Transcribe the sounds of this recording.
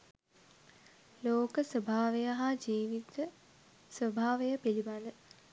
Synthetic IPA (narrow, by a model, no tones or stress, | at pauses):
loːkəsəbʱaːʋejaɦad͡ʒiːʋit̪ə | sʋəbʱaːʋejəpiliband̪ə